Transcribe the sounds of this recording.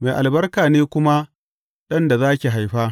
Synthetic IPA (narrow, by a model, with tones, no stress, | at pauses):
ma˨ʔa˨lbɐ˦rkaː˨neː˦kʷʊ˦ma˦ | ɗɐ˦nda˨zaː˦kʲi˨ɦa˨jɸaː˦